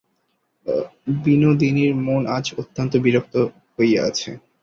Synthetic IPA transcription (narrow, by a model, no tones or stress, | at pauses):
binod̪iniɾmonad͡ʑot̪ːant̪obiɾok̚t̪o | hojea̰t͡ɕʰḛ